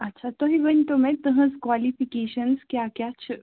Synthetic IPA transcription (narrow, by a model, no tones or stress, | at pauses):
ɐtːʃʰat̪oɦiʋənʈ̪omẽt̪əɦə̃skʋalifikeɕənskjakjat͡ɕʰə